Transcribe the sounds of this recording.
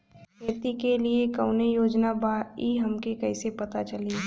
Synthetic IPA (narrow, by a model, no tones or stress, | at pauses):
kʰeːɾt̪ikeliekɐʊnejoːd͡ʒnabaːiɦɐmkekɐisepɐt̪at͡ʃɐli